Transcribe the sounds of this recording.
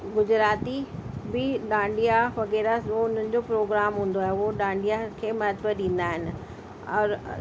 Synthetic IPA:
ɡʊd͡ʑɾaːt̪ibɪɗãːɳɖijaʋɐɣɛːɾaoʊn̤ənɪ̆d͡ʑoːpɾoːɡɾaːmɦũːnd̪oaːɦeʊɦoɗãːɳɖijakʰeːmɐɦət̪bəɾɗĩːn̆d̪aːɦɪnɪ̆ | ɔːɾ

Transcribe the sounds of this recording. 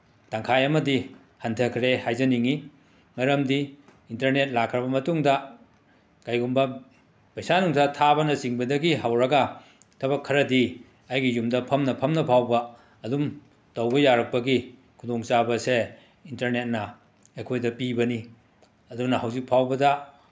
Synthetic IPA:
taŋkʰajɐmɐdi | hantʰɐkʰɾehajzɐniŋi | ŋajɾɐmdi | intɐɾnet̚lakʰɾɐbɐmɐtuŋdɐ | kajɡumbɐ | pɐjsanuŋsatʰabɐnɐsiŋbɐdɐɡiɦawɾɐɡɐ | tʰɐβɐkʰːɐɾɐdi | ɐjɡijumdɐpʰɐmnɐpʰɐmnɐpʰawbɐː | dum | tɐwbɐjaɾɐk̚pɐɡi | kʰudoŋt͡ʃabɐse | intɐɾnet̚nɐ | ejkʰojdɐpibɐni | ɐdunɐhawzik̚pʰawbɐdɐ

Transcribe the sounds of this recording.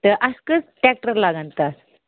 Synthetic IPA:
t̪əʔaskət͡sʈɛk̚ʈəɾlaɡãnt̪əs

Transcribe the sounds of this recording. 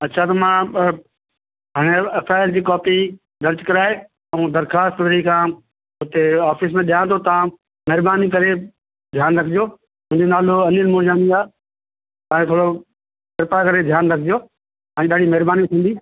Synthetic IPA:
ɐtːt͡ɕʰat̪ɐmã | ɦaːɽ̃eɐpʰaːɪld͡ʑiːkɔːpi | ɗɐ̃ɾt͡ɕkɐɾaːe | ɐũd̪ɐɾxaːst̪ʋɾikʰãː | ʊt̪eaːfis̬mẽɗijãt̪ʰot̪ɐʋã | mɐɦɾbaːnik̬ɐɾe | d̪ʱjaːnɾɐkʰɪd͡ʑo | ɦʊ̃ɪ̃ɲd͡ʑonaːloɐnənmoːd͡ʒaːniaː | t̪ãːẽt̪ʰoːɽo | pɪɾpakɐɾed̪ʱjaːnɾɐkʰɪd͡ʑijoː | ɛ̃ːɗaːɽimɐɦɾbaːnit̪ʰĩːnd̪iː

